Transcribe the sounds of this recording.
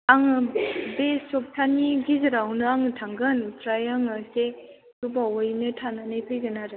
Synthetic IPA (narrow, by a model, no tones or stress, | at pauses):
aŋɯbesop̚tʰaniɡizɯɾawnɯaŋɯtʰaŋɡɯnpʰɾajaŋɯse | tubawɔjnɯtʰananajpʰɯjɡɯnaɾɯ